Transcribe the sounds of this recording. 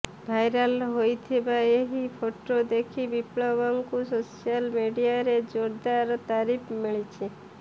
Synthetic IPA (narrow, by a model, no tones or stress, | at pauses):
bʱajɾəlɦojt̪ʰebaeɦipʰoʈod̪ekʰibipɭɔbɔŋkusosijalmiɖijaɾed͡ʒoɾd̪aɾt̪aɾipʰmiɭit͡ʃʰe